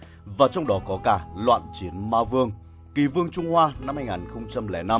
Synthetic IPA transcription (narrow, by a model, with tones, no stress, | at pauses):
vaː˨˩t͡ɕɔ˧wŋ͡mɗɔ˨˦kɔ˨˦kaː˧˩lwa̰ː˧˨nt͡ɕi˨˦ənmaː˧vɨ˧əŋ | ki˨˩vɨ˧əŋt͡ɕʊ˧wŋ͡mhwaː˧na˧mhaː˧jŋaː˨˩nxə˧wŋ͡mt͡ɕa˧mlɛ˧˩na˧m